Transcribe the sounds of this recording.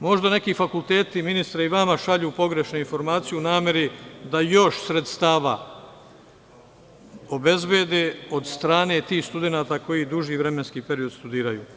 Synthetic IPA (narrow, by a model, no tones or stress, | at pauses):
mo̞ʒd̪ane̞kiːfakulˠt̪e̞ːt̪iminist̪ɾaiʋamaʃaʎuːpo̞ɡɾe̞ʃnoinfo̞ɾmaːt̪sijunaːmje̞ɾid̪ajo̞ʃsɾet̪st̪aːʋa̰ | o̞be̞zbeːd̪eo̞d̪st̪ɾaːne̞ːt̪iːxst̪ud̪e̞naːt̪ako̞jiːd̪uʒiːʋɾe̞me̞nskiːpe̞ɾio̞d̪st̪ud̪iːɾajṵː